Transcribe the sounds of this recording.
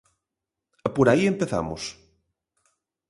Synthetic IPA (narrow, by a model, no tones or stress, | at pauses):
poɾaiempeθa̰mo̰s